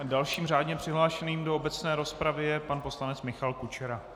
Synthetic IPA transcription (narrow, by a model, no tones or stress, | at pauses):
dalʃiːmr̝aːdɲɛpr̝̥ɪɦlaːʃɛniːmdoobɛt͡snɛːɾo̞spɾavɪjɛpanpo̞slanɛt͡smɪxalkut͡ʃɛɾa